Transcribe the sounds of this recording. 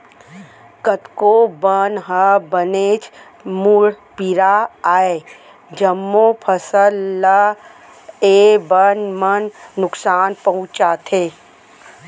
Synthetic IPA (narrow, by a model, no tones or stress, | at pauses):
kət̪kobənɦəbəneːt͡ʃ | muɽpiɾaaːe | d͡ʒəmːopʰəsəlːa | eːbənmənːʊksaːnpɐɦʊ̃t͡ʃaːt̪ʰeː